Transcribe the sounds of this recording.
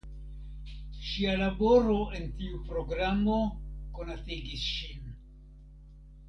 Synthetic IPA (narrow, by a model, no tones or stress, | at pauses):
ʃialabo̞ɾo̞e̞ntiupɾo̞ɡɾamo̞ko̞natiɡisʃin